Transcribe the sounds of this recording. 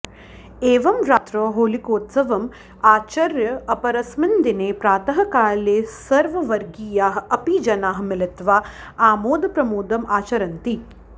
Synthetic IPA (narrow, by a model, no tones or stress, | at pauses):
eːʋɐmɾaːt̪ɾoːɦoːlikoːt̪sɐʋɐm | aːt͡ʃɐɾjɐɐpɐɾɐsmɪnd̪ineːpɾaːt̪ɐɦɐ̆kaːleːsɐɾʋɐʋɐɾɡijaːɦɐpid͡ʒɐnaːɦmɪlɪt̪ʋaː | aːmoːd̪ɐpɾɐmoːd̪ɐmaːt͡ʃɐɾɐnt̪i